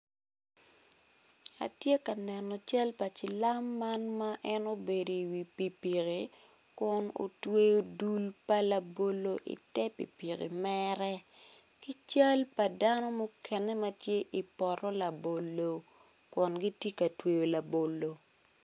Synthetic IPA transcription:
a̰˨tje˦ka˨nɛ˨nɔ˨t͡ʃa˦lpa˨t͡ʃɪ˨la˦mːa˦nma˦ʔɛ˦no˦be˨do˨i˨wi˨pi˨pi˨ɣi˨ | kʊ˨no̰˨twe˦jo˦du˦lpa˦la˨bo˦lo˦ʔḭ˨tɛ˦pḭ˨pi˨kḭ˨mɛɾɛ˦ | ki˦t͡ʃa˦lpa˨da˦nɔ˦mo˦kɛ˨ne˦ma˦tje˦ʔi˨pɔ˨ɾɔ˦la˨bo˨lːo˨ | kʊ˨nɡi˦tji˦ka˨twe˨jo˨la˨bo˨lo˨

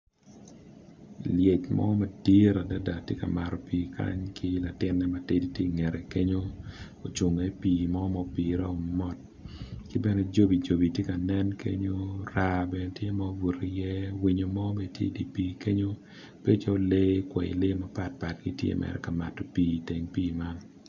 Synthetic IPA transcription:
lje˨t͡ʃmʔɔ̰˦ma˨di˦ɾa˨da˦da˨tje˦ka̰˨ma˨ɾɔ˨piː˨kʰa̰˦ɲkʰɪ˦la˨tɪ˦nːɛ˦ma˨te˦di˦tje˦˨ŋe˨ɾe˨ke˦ɲo˦ | o˨t͡ʃu˨ŋe˨˦piː˨mɔ˦mɔ˦pi˨ɾa˦o˨mɔ˦t̚ | kɪ˦bɛ˦nɛ˦d͡ʒo˦bi˨d͡ʒo˨bi˨tje˦ka˨nɛ˦nkʰḛ˦ɲo˦ɾa˦bɛ˨ne˨tje˦mɔ˦bu˨ɾi˨jɛ˦wi˦ɲo˨mɔ˦me˨tjḛ˦di˨pi˦ke˦ɲo˦ | pe˦t͡ʃɔ˦le˦kwɛ̰˨ḭ˨le˦ma˨pa˨t̚pa˨tɡi˦tjḛ˦mʔɛ̰˨ɾɛ̰˨ka˨ma˨to˨piː˦te˨ŋpiː˦˨ma˦n

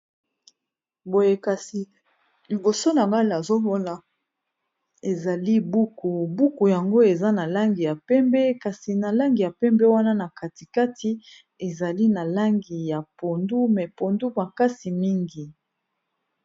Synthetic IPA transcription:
bo˨je˨ka˨si˨ | li˨bo˨so˦na˨ŋɡa˦la˨zo˦mo˦na˨ | e˨za˨li˦bu˦ku˨bu˦ku˨ja˨ŋɡo˦e˨za˦na˨la˦ŋɡi˨ja˨pɛ˦mbɛ˦ka˨si˨na˨la˦ŋɡi˨ja˨pɛ˦mbɛ˦wa˦na˦na˨kʰa˨ti˨ka˦tʰi˦ | e˨za˨li˦na˨la˦ŋɡi˨ja˨po˨ndu˦mɛ˨po˨ndu˦ba˨ka˦si˨mi˦ŋɡi˨

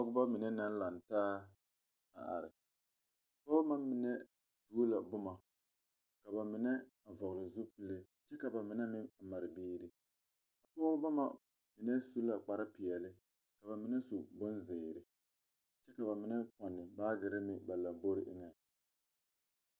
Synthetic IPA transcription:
pɔ˦ɡʊ˦ba˦mɪ˨nɛ˦na˦n˦la˨ntaː˦ | a̰˨a̰˨ɾɪ˨ | pɔː˦ma˦mɪ˨nɛ˦ | tu˦la˨bʊ˦ma˨ | ka˨ba˨mɪ˨nɛ˦˨ | vɔ˨ɣlɪ˨zu˦pi˦le˦ | t͡ʃɛ˦ka˨ba˨mɪ˨nɛ˦nɪ˦˨ma˨ɾɪ˨biː˦ɾɪ˦ | a˨pɔː˦ba˦ma˦ | mɪ˨nɛ˦su˦la˨k͡pa˨ɾa˦pɪ˨ɛ˨lɪ˦ | ka˨βa˨mɪ˨˦nɛ˦su˨bʊ˦n˦zɪː˨ɾɪ˨ | t͡ʃɛ˦ka˨ba˨mɪ˨nɛ˦pɔ˨nːɪ˨baː˦ɡɪ˨ɾɪ˦mɪ˦ba˨la˨mbo˦ɾɪ˦ʔɪ˦ŋɛ˨

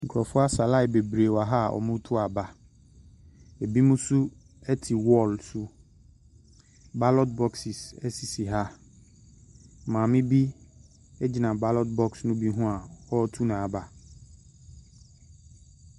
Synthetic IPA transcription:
ŋ̩˨kʰɾɔ˨fʊ˦a˦sa˨la˦ɪ˨be˨bɾe˨wa˨ɦa˦˨ʔɔ̰˨mʊ̃˦tʰʊ˦a˨ba˦ | e˨bi˦mũ˦su˦ | ɛ˦tʰi˨wɔ˦˨lsu˦ | ba˦lɔ˦tbɔ˦ksi˨sɛ˦si˨si˨ɦa˦˨ | mãː˨mɪ̃˦bi˦ | ɛ˦d͡ʑi˨nã˨ba˦lɔ˦t̚bɔ˦ksnʊ̃˦bi˦ɦũ˦a˨ɔ˦tʰu˦nã˨a˨ba˨

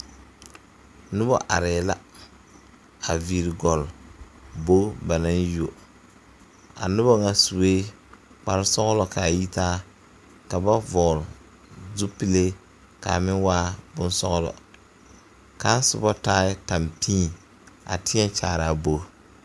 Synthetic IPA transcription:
nʊ˦bɔ˦ʔa˨ɾɛː˨la˦ | a˨vi˨ɾɡɔ˨l | bo˦ba˨na˦n˦jo˨ | a̰˨nʊ˦bɔ˦ŋa˨su˨weː˦ | k͡pa˨ɾɪ˦sɔ˦ɣlɔ˨ka˨ji˦taː˦ | ka˨ba˦vɔ˨ɣl | zu˦pi˦le˦ | ka̰˨mɪ˦waː˦bʊ˦n˦sɔ˦ɣlɔ̰˨ | ka˦n˦sʊ̰˨bɔ˦taː˦ɪ˦ta˨mpĩː˦˨ | a̰˨tɪ˦ɛ˦t͡ʃaː˨ɾa˨bo˦

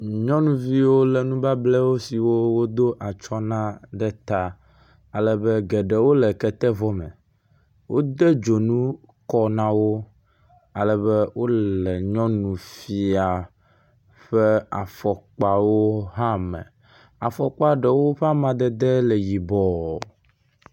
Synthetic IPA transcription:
ɲɔ̃˦nũ˨vi˦wo˦lɛ˨nũ˦ba˦blɛ˦wo˦si˨wo˦wo˦d̪o˦ʔa˨t͡ʃɔ˦nã˦d̪ɛ˦t̪a˦ | a˨lɛ˨bɛ˦ɡɛ˨ɖɛ˨wo˦lɛ˨kɛ˦t̪ɛ˦vɔ˦mɛ̰̃˨ | wʔo˦d̪ɛ˦d͡ʒo˨nũ˦ | kɔ˦nã˦wo˦ | a˨lɛ˨bɛ˦wo˦lɛ˨ɲɔ̃˦nũ˨fi˨a˨ | ɸɛ˦a˨fɔ˨k͡pa˨wo˦ɦã˦mɛ̰̃˨ | a˨fɔ˨k͡pa˨ɖɛ˨wo˦ɸɛ˦a˦mã˨d̪ɛ˦d̪ɛ˦lɛ˨ji˨bɔ˨

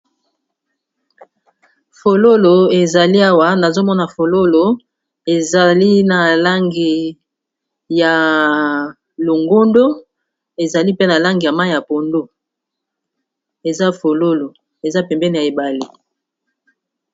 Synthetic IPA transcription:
fo˨lo˦lo˨e˨za˨li˦a˦wa˦na˨zo˦mɔ˦na˨fo˨lo˦lo˨ | e˨za˨li˦na˨la˦ŋɡi˨ | ja˨ | lo˨ŋɡo˦ndo˦ | e˨za˨li˦pe˦na˨la˦ŋɡi˨ja˨ma˦˨ja˨po˨ndo˦ | e˨za˦fo˨lo˦lo˨ | e˨za˦pɛ˨mbɛ˦ni˨ja˨e˨ba˨li˨

